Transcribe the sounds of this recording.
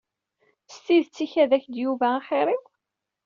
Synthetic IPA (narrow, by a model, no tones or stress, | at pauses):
st̪iðt͡sːiçæðæçd̪juvæːχɪɾˤɪ